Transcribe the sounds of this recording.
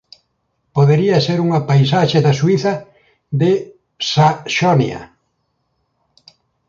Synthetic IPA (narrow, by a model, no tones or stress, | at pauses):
poðeɾiɐseɾuŋɐpajs̬aʃeðɐswiθɐ | ðɪ | saʃonjɐ̰